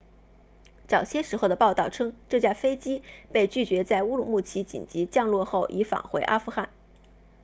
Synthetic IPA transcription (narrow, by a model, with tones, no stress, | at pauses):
t͡sɑ˨˩ʊɕjɛ˥ʂɻ̩˧˥xo˥˩ʊd̪ə˩pɑ˥˧ʊt̪ɑ˥˩ʊʈ͡ʂʰɤ˥ŋʈ͡ʂɤ˥˧t͡ɕja˥˩fe˥ɪt͡ɕi˥pe˥˧ɪt͡ɕy˥˩t͡ɕɥɛ˧˥t͡sa˥˩ɪu˥lu˨˩mu˥˩t͡ɕʰi˧˥t͡ɕḭ˨˩nt͡ɕi˧˥t͡ɕjɑ˥˧ŋlwɔ˥˧xo˥˩ʊʔi˧˥fa̰˨˩ŋxwe˧˥ɪʔa˥fu˥˧xa˥˩n